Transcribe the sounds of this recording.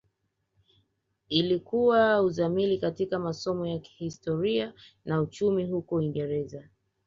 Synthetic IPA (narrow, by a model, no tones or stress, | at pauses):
ilikuwauzamilikatikamasɔmɔjaki̥histɔɾianaut͡ʃumiɦukɔiŋɡɛɾɛza